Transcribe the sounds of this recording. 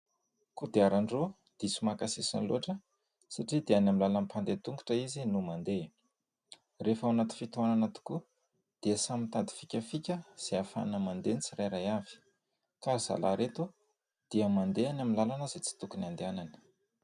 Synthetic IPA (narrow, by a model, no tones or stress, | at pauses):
kud̪eaɾaɳɖ͡ʐo | d̪̥isumakasesa̰nloʈ͡ʂə | saʈ͡ʂid̪eanamilalanipand̪et̪uŋɡu̥ʈ͡ʂəizinumand̪e | refawanat̪i̥fit̪uananat̪u̥ku | d̪̥easamint̪ad̪i̥fi̥kʲəfikʲəz̥eafa̰nəmand̪enit͡siɾajɾajavi̥ | kaz̥a̰laɾet̪u | d̪̥iamand̪eanaminlalanəzet͡si̥t̪ukuniand̪eananə̥